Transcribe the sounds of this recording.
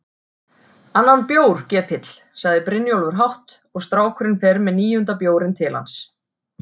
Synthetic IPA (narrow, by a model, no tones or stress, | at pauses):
anːanpjoːwɾ̥cɛːpʰɪt̪l̥saɣðɪpɾɪnːjowlvʏɾ̥ɦawht̪ | ɔɣst̪ɾaːwkʰʏɾɪnfɛɾmɛðniːjʏnt̪apjoːwɾɪnt̪ʰɪla̰ns